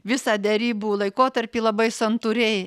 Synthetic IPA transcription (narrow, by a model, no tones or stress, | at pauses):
ʋʲɪsɑːd̪ʲɛɾʲiːbuːlˠɐɪkoːt̪ɐɾʲpʲiːlˠɐbɐɪsɐnt̪uːɾʲɛɪ